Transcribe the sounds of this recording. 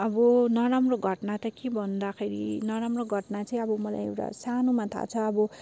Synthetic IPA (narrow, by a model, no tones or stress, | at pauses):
ʌbʌnʌɾamroɡʱʌʈnat̪ʌkebʱʌnd̪akʰeɾḭnʌɾamroɡʱʌʈnat͡sʌĩʌbʌmʌla̰jḛwʈa̰sanomat̪ʰa̰t͡sʰʌːbʌ